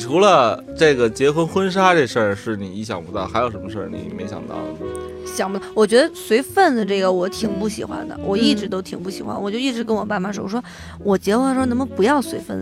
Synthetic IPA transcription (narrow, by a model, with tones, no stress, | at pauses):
ʈ͡ʂʰu˧˥lə˧ | ʈ͡ʂɤ˥˩ɡə˩t͡ɕjɛ˧˥xwə˥nxwə˥nʂ̬a˥ʈ͡ʂɤ˥˧ʂə˥˩ʂɻ̩˥˩ni˨˩i˧˥ɕjɑ˨˩ŋpu˧˥t̪ɑ˥˩ʊxa˧˥ɪjo˨˩ʊʂə˧˥mə˧ʂə̰˥˩nḭ˨˩me˧˥ɕjɑ̰˨˩ŋt̪ɑ̰˥˩ʊ | ɕjɑ˨˩ŋpt̪ɑ˥˩wɔ˨˩t͡ɕɥɛ˧˥d̪ə˧swe˧˥ɪfə˥˩nd̪ə˩ʈ͡ʂɤ˥˩ɡə˩wɔ˧˥t̪ʰi˨˩ŋpu˥˩ɕḭ˨˩xwa̰˧˥nd̪ə̰˨wɔ˨˩i˥˩ʈ͡ʂɻ̩˧˥t̪o˥ʊt̪ʰi˨˩ŋpu˥˩ɕi˨˩xa̰˥nwɔ˨˩t͡ɕjo˥˧ʊi˥˩ʈ͡ʂɻ̩˧˥k̬ə˥nwɔ˨˩ma˥˩nma˨˩nʂo˨˩ʊʂwɔ˥ | wɔ˨˩t͡ɕjɛ˧˥xwə˥˧˥n˧˥mə˧˨pu˧˥jɑ˥˩ʊswe˧˥ɪfə˥˩n